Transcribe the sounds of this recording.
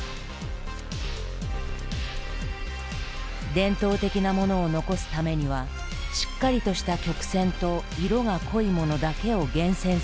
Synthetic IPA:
d̪ẽ̞nt̪o̞ːt̪e̞kʲinamo̞no̞ːno̞ko̞sɨ̥t̪ame̞ɲ̟iβ̞a | ɕi̥kːaɾʲit̪o̞ɕi̥t̪akʲo̞kɯ̟̥sẽ̞nt̪o̞iɾo̞ɡakʰo̞imo̞no̞d̪ake̞o̞ɡẽ̞ɰ̃sẽ̞ɰ̃

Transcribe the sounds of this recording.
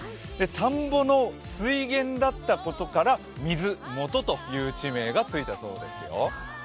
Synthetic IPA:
d̪e̞t̪ʰãmbo̞no̞ | sɨiɡẽ̞nd̪at̪ːako̞t̪o̞kaɾa | mʲizɨmo̞t̪o̞t̪o̞jɯːt͡ɕime̞ːɡat͡sɨit̪aso̞̰ːd̪e̞̰sɨjo̰

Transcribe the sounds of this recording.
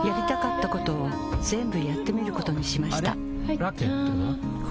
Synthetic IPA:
jaɾʲit̪akat̪ːako̞t̪o̞ː | zẽ̞mbɯ̟jat̪ːe̞mʲiɾɯ̟ko̞t̪o̞ɲ̟iɕimaɕi̥a̰ | ɾaket̪ːo

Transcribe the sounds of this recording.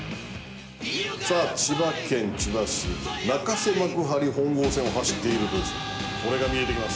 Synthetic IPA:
saːt͡ɕibakẽ̞ɲ̟t͡ɕibasɨ̰nakase̞makɯ̟ɦaɾʲihõ̞ŋɡo̞ːsẽo̞ɦaɕi̥t̪ːe̞iɾɯ̟t̪ojisɨ̥ | ko̞ɾe̞ɡamʲie̞t̪e̞kʲimas

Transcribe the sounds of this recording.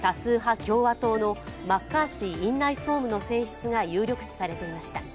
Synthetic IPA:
t̪asɨːɦakʲo̞ːβat̪o̞ːno̞makːaːɕiĩnːaiso̞ːmɯ̟no̞sẽ̞ɰ̃ɕi̥t͡sɨɡajɨːɾʲo̞kɯ̟̥ɕi̥saɾe̞t̪e̞imaɕi̥t̪a

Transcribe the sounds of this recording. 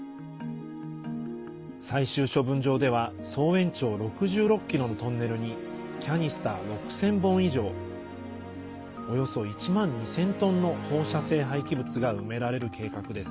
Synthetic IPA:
saiɕɨːɕo̞bɯ̟̃ɲ̟d͡ʑo̞ːd̪e̞β̞a | so̞ːẽ̞ɲ̟t͡ɕo̞ːɾo̞kɯ̟ʑɨːɾo̞kːkʲːiɾo̞no̞t̪õ̞nːe̞ɾɯ̟ɲ̟i | kʲaɲ̟isɨ̥t̪aɾo̞kɯ̟̥sẽ̞mbõ̞ɰ̃iʑo̞ː | o̞jo̞so̞it͡ɕimãɲ̟ːisẽ̞nt̪õ̞nːo̞ho̞ːɕase̞ːɦaikʲibɯ̟t͡sɨɡaɯ̟̰me̞ɾaɾe̞ɾɯ̟kʰe̞ːkakɯ̟d̪e̞sɨ̥

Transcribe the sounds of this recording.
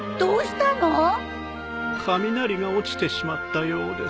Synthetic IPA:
d̪̥oːɕi̥t̪ano | kʰamʲinaɾʲiɡao̞t͡ɕi̥t̪e̞ɕimat̪ːajoːd̪ḛs

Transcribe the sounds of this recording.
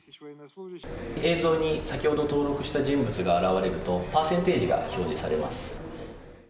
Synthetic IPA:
e̞ːzo̞ːɲ̟isakʲiho̞d̪ot̪o̞ːɾo̞kɯ̟ɕi̥t̪aʑĩmbɯ̟t͡sɨɡaːɾaβaɾe̞ɾɯ̟t̪o̞paːsẽ̞nt̪e̞ːʑiɡa̰ço̞ːʑisa̰ɾe̞ma̰sɨ̥

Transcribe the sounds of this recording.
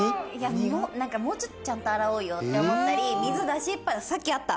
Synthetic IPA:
jamoːnãŋkamo̞ːt͡ɕot̪ːot͡ɕãnt̪oaɾaoːjot̪ːeomot̪ːaɾʲimʲizɨd̪aɕipːasakʲːiat̪ːa

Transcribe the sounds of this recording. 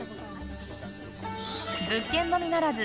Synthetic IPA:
bɯkːẽ̞nːo̞mʲinaɾazɨ

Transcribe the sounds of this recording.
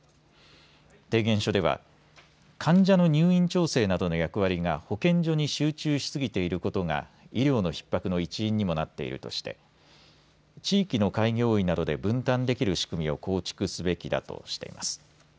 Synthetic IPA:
t̪e̞ːɡẽ̞ɰ̃ɕo̞d̪e̞βa̰ | kʰãɲ̟d͡ʑano̞ɲ̟ɨːĩɲ̟t͡ɕo̞ːse̞ːnad̪o̞no̞jakɯ̟βaɾʲiŋaho̞kẽ̞ɲ̟d͡ʑo̞ɲ̟iɕɨːt͡ɕɨːɕi̥sɨɡʲit̪e̞iɾɯ̟ko̞t̪o̞ŋa̰ | iɾʲo̞ːno̞çi̥pːakɯno̞it͡ɕĩːɲ̟ːimo̞nat̪ːe̞̰ḭɾɯ̟̰t̪o̞̰ɕi̥t̪e̞̰ | t͡ɕiːkʲino̞kaiɡʲjo̞ːinad̪o̞d̪e̞bɯ̟̃nt̪ãnd̪e̞kʲiɾɯ̟ɕi̥kɯ̟mʲio̞ko̞ːt͡ɕi̥kɯ̟sɨbe̞kʲid̪a̰t̪o̞̰ɕi̥t̪e̞̰ḭmʔa̰sɨ̥

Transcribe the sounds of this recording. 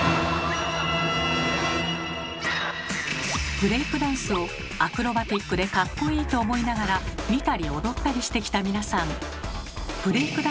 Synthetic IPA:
b̥ɯ̟ɾe̞ikɯ̟d̪ãɰ̃sɨo̞ | akɯ̟ɾo̞bat̪ʲikːɯ̟d̪e̞kakːo̞iːt̪o̞ːmo̞inaɡaɾamʲit̪aɾʲio̞d̪o̞t̪ːaɾʲiɕi̥t̪e̞kʲi̥t̪amʲinasãŋ | b̥ɯ̟ɾe̞ikɯ̟d̪

